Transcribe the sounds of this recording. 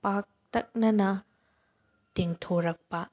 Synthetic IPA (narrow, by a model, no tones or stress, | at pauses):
pak̚t̪ɐk̚nɐnɐ | t̪iŋt̪ʰoɾɐk̚pa